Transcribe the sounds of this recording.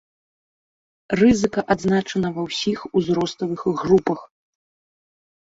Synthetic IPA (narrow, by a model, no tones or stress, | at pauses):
rɨzɨkɐʔad̪znat͡ʂɐnɐvɐwsʲixuzɾɔst̪ɐvɨxɣrupɐx